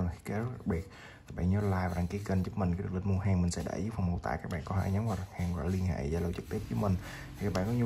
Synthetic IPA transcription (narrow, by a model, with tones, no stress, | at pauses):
xi̥˧˦kɛ˨˦zə˦˥a˨˧˩k̚ɓi˨˩ət̪̚ | a˨˦˥kɓa̰ː˧˨nɲɔ˨˧˦laː˧jvaː˨˩aː˧˨˩ki˨˦əkə˧nt͡ɕu˦˥k̚mi̟˨˩kːɗ̚li˧˩mu˧əɦaː˨˩ŋmï˨˩ŋsɛ̰˧˥ɗa̰ː˧˩jɨ˦˥p̚fa˨wŋ͡mmo˨˧˩wt̪a̰ː˧˨jkaː˦˥k̚ɓa̰ː˧˨nkɔ˨˦hḛ˧˩ɲə˨˦mvaː˨˩a˨˩ŋhaː˧˩ŋɔ̰˧˨li˧ənhḛ˧˨zaː˧˩lə˧wt͡ɕɨ˨˩k̚t̪i˦˥əp̚zəː˨˦mï˨˩ŋ̟ | t̪ʰi˨˩kaː˦˥k̚ɓa̰ː˧˨kɔ˨˦ɲ˧